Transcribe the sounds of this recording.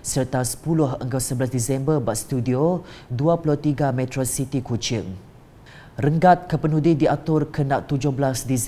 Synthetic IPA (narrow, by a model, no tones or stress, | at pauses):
sərt̪asə̥pulʊhəŋɡəwsəbəlasdisɛmbərbaʔ̪st̪udioduapulʊht̪iɡamɛ̃t̪ɾosit̪ikut͡ʃɪŋ | rəŋɡat̪̚kəpənudidiat̪ʊrkənaʔ̚t̪ud͡ʒʊhbəlasdis